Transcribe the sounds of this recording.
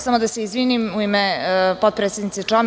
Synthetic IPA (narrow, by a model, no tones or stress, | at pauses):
samod̪aseizʋinimuimepod̪pɾet̪sed̪nit̪set͡ʂam